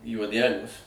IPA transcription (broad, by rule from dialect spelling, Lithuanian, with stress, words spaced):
juɔˈdʲæːlʲuɔs